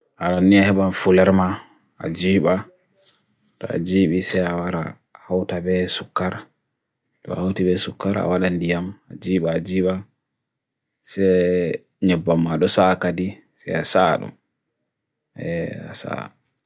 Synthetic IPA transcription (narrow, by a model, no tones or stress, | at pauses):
ʔaɾanːiahɛɓanfulɛɾma | a̰d͡ʒiːɓa | tɔa̰d͡ʒiːɓisɛjawaɾa | hawtabɛsukːaɾ | tɔ̰hawtibɛsukːaɾa̰waɗandijama̰d͡ʒiːɓaːd͡ʒiːɓa | sɛ | ɲɛbːamːaɗɔsakadi | sɛ̰jasaɗɔ̰ | ɛa̰sa̰